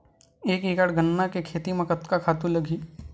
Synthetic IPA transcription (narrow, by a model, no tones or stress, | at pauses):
eːkiːkaɽɡʱənːakekʰeːt̪imɐ̃kət̪kakʰaːt̪ũlɐɡʱiː